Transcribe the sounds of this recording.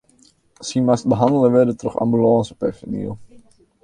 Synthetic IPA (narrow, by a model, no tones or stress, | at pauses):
simast̚bəɦɑndələʋɛdətrɔχɑ̰mbylɑːnsəpɛfənḭlˠ